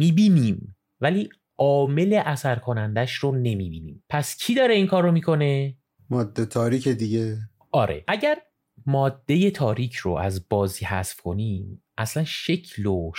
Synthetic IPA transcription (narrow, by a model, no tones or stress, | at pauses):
miːbiːniːm | væliː | ʔɒːme̞le̞ʔæsæɾkʰo̞nænd̪æʃrone̞miːbiːnḭːmpʰæscʰid̪ɒːɾe̞iːŋkʰɒːɾːomiːkʰo̞ne̞ | mɒːd̪ːet̪ʰɒːɾikʰed̪iɟe | ʔɒːɾʔḛʔæɟæɾ | mɒːd̪ːe̞je̞t̪ʰɒːɾiːcʰro̰æzbɒːziːhæ̰sfkʰo̞niːmʔæslænʃecʰloʃ